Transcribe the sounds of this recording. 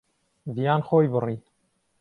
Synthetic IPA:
vijaːnxoːjbɨriː

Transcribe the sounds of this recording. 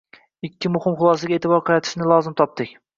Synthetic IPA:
ɪkʲʰːɪmʊhɪmχʊlˠɒsaɡʲaet̪ʰɪbɒɾqʰɑjat̪ʰɪ̥ʃnɪlˠɒzɪmt̪ʰɒp̚t̪ɪkʲ

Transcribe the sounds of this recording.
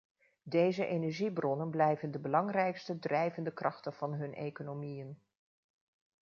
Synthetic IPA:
dejzəʔenɛɹʒibrɔnənblɛjvəndəbəlɑŋrɛjkstədrɛjvəndəkrɑχtənv̥ɑnɦɵnʔḛjkonomijən

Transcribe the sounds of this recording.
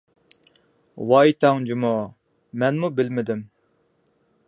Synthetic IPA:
wɑjt̪ʰɑŋd͡ʒimu | mɛnmubɪlmɪd̪ɪm

